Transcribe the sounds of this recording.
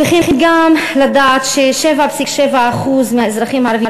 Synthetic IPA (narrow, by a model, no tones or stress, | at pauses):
iχiniɡamlad̪aːt̪ʃeʃevapsikʃevaːχuzmeaezɾaχimaɾavi